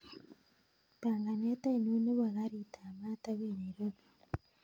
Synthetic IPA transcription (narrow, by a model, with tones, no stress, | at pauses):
pa˨ŋɡa˨ne˦ta˦i˨nu˦ne˦βa˨ɣa˦ɾita˨ma˦ta˦βene˨ɾo˦βo˨